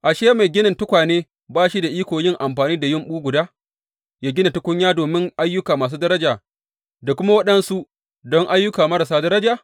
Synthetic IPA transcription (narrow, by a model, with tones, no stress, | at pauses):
ʔa˨ʃeː˦ma˨jɡʲɪ˦nɪ˨ntʊ˦kʷaː˨neː˦ | baː˦ʃi˦da˨ʔiː˦kʷoː˨jɪ˦ŋʔa˨mɸaː˨niː˦da˨jɪ˦˨mɓuː˦ɡʷʊ˨daː˦ | jaː˦ɡʲɪ˦na˨tʊ˦kʷʊ˦ɲjaː˦doː˨mɪ˦ŋʔa˦jːʊ˦kaː˨maː˨s̬uː˦dɐ˦ɾɐ˦d͡ʒaː˨ | da˨kʷʊ˦ma˦wɐ˦ɗɐ˦nsu˦ | dɔ˦ŋʔa˦jːʊ˦kaː˨mɐ˦ɾɐ˨s̬aː˦dɐ˦ɾɐ˦d͡ʒaː˨